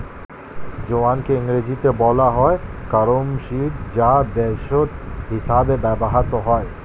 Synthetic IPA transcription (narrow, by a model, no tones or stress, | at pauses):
d͡ʑoankeiŋɾed͡ʑit̪ebɔlaɦɔekaɾomʃiɾd͡ʑab̪ɛʃoʈ̪ɦisabebɛboɦat̪oɦɔe